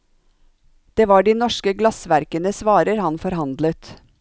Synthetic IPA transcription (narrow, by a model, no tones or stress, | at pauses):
d̪̥eːʋɑːɖiːnɔʃkəɡlɑsʋæɾkənəsʋɑːɾəɾhɑnfɔɾhɑnd̪lət̪